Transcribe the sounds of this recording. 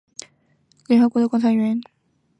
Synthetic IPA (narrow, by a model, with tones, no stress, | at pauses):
ljɛ˧˥nxɤ˧kwɔ˧˥d̪ə˧kwɑ˥ŋt͡sʰa˧˥ɥɛ˧˥n